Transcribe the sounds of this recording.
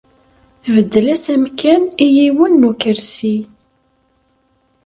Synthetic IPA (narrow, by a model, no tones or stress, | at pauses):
θəvəd̪ːəlæsæmkænijiwənːukəɾsi